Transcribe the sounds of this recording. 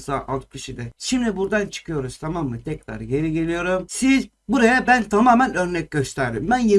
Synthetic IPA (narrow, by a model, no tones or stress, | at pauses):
saʔat̪kʰɯʃid̪ɛʃimd̪ibuɾd̪ant͡ʃʰɯ̥kʰɯjo̞ɾuz̥t̪ʰamamːɯt̪ʰɛcɾa̰ɾɟe̞ɾiɟe̞lʲijo̞ɾumsiz | buɾajabænt̪ʰamaːmænø̞ɾnɛc̚ʲɟøst̪ʰæɾd̪imbænje